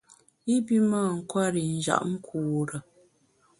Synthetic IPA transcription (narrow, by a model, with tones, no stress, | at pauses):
i˦bi˦maː˦˨ŋ̩˨kwa˦ɾi˨n̩˨d͡ʒa̰˨ʔŋ̩˦kʰuː˨ɾə˨